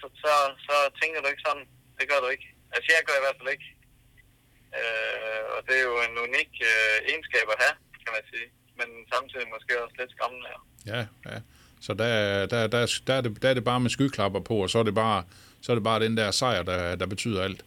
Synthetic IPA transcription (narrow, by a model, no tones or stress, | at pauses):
sɒsɒ̽sɒ̽t͡sʰeŋ̰ɡ̥ɐd̥ue̝ɡ̥sɒ̽d̥n̩ | d̥e̝ɡ̥ɶɐ̰ɾ̥ue̝ɡ̥ | ælsəjæɡʰæ̥iʋæɐd̥fæle̝ɡ̥ | øɒd̥e̝æɐjo̝e̝nuniɡ̥øensɡ̥ɛ̰ːb̥æɦækʰæmænsiː | mensɑ̈mt͡sʰið̰ˠimɒsɡ̥e̝̰ːɒ̽sle̝d̥sɡ̥ɑ̈ml̩æɐ̰ | jæjæ | sɒ̽d̥æd̥æd̥æsd̥ææɐde̝d̥ææɐd̥e̝b̥ɑ̈ːmesɡ̥ykʰlɑ̈b̥ɐpʰɒ̽ɒ̽sɒ̽æɐɾe̝b̥ɑ̈ː | sɒ̽ɐɾ̥e̝b̥ɑ̈ːɾ̥end̥æɐsɑ̈ɪ̰ɐd̥æd̥æ̈b̥e̝t͡sʰy̰ːð̰ˠɐæl̰d̥